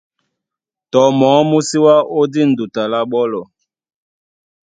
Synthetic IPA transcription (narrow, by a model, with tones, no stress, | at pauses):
tɔ˨˦mɔː˨˦mu˦si˦wa˦o˦di˦n̩˨du˨ta˨la˦ɓɔ˦lɔ˨